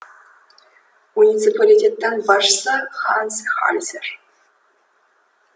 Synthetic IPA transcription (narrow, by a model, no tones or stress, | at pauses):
unʲit̪t͡sɨpʰalʲitʲet̪ːɑnbɑʂsɑχɑnsχɑ̰lʲzʲɘrʲ